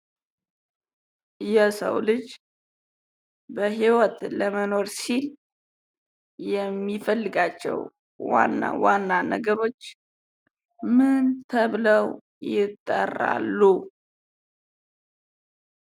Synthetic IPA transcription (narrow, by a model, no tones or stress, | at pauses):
jɛsə̰wlɨd͡ʒ | bəɦiwɔt̪ləməno̞ɾsil | jɛmːifəlːɨɡat͡ʃːɛ̰w | wa̰nːa̰wanːanə̰ɡəβo̞t͡ʃː | mɨnt̪ʰəβləw | jɪt̪ʼːə̰ra̰lːu